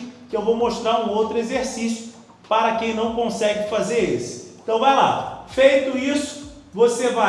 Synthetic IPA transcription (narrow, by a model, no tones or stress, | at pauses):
kɪewvowmoʃt̪ɾaɾũowt̪ɾʊezeɾsisjʊ | paɾɐkẽj̃nɐ̃w̃kõsɛɡɪfazeɾisɪ̥ẽnt̪ɐ̃w̃vajla̰fejt̪ʊisʊ̥ | voseva